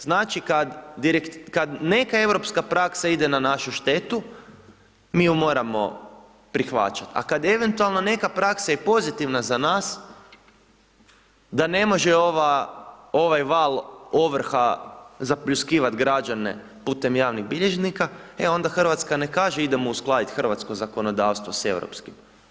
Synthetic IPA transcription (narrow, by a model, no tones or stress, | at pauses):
znaːt͡ʃikad̪d̪iɾekt̪kad̪ne̞kae̞wɾo̞pskapɾaksaid̪enanaʃuʃt̪e̞t̪u | miːjumo̞ːɾamo̞̰ | pɾixʋa̰t͡ʃat̪a̰kad̪jeeʋe̞nt̪ualˠno̞ne̞kapɾaksajepo̞zit̪iʋnazanaːs | d̪ane̞mo̞ʒeoʋa | o̞ʋajʋaːlo̞ʋr̩xazapʎuskiːʋat̪ɡɾad͡ʒane̞̰ | puːt̪e̞mjaːʋniɣbiʎeʒnikaeo̞nd̪axr̩ʋat̪skane̞kaːʒeid̪emousklˠaːd̪it̪xərʋat̪sko̞zako̞no̞d̪aːʋst̪ʋose̞wɾo̰pskim